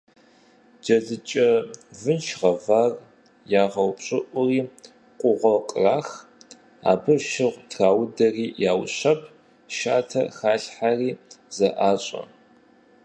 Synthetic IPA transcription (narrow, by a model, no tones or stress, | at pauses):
d͡ʒɐɮɨt͡ʃʼɐvɨnʃʁɐvaːr | jaːʁɐwpɕʼɪʔʷʊriː | qʷʼʊʁʷɔqʼraːx | a̰ːbɨʃɪʁʷtʰraːwdɐriːjaːwɕɐpʰ | ʃaːtʰɐ̰xaːɬħariːzɐʔaːɕʼɐ̰